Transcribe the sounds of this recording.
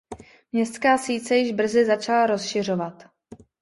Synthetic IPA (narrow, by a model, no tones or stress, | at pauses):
mɲɛst̪skaːsiːt͡sɛjɪʒbr̩zɪzat͡ʃalaɾo̞sʃɪr̝o̞vat̪